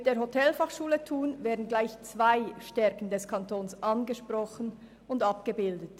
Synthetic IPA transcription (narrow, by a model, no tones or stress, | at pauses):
d̥eːhotʰɛlfaχʃuːlətʰuːnveːɐdn̩ɡlaɪçt͡sv̥aɪʃtɛɾkn̩dɛskʰantʰoːnsʔanɡəʃpʁɔχən̩ | ʊndapɡ̥əbɪldət